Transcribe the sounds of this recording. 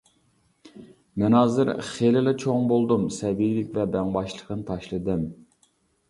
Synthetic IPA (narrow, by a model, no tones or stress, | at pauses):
mɛnɑːzɨɾχelɪlɪt͡ʃʰoŋbolˠd̪umsɛvijlɪkʲvɛbɛŋbɑʃlˠəqʰənɨt̪ʰɑʃlˠɨd̪ɨm